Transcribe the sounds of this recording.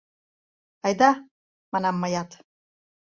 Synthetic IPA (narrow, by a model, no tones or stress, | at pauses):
ɑjd̪ɑ | mɑnɑmːɑjɑt̪